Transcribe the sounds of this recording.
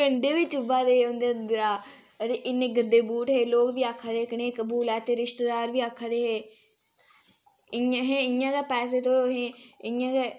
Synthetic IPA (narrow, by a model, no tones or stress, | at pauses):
əɳɖeːʋit͡ʃʰʊʋaːd̪eːond̪eːənd̪ɾaː | əɾeʔɪneːɡəd̪ːeːbuːʈɦeːloːkʋiːaːkʰad̪eeːkəneːkəbuːlɛːt̪eːɾɪʃt̪ed̪aːɾʋiːaːkʰːad̪eɦeː | ɪãɦẽːɪjãːkɛːpɛːs̬eːt̪oːoːɦẽː | ɪjãːkɛː